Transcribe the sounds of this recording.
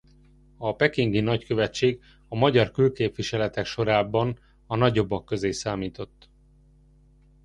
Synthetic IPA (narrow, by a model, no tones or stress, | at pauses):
ɒpɛkiŋɡinɒckø̞vɛt͡ʃːeːɡ | ɒmɒɟɒrkylkeːpʋiʃɛlɛt̪ɛkʃo̞ɾaːbɒn | ɒnɒɟo̞bːɒkːø̞zeːsaːmiːt̪o̞t̪ː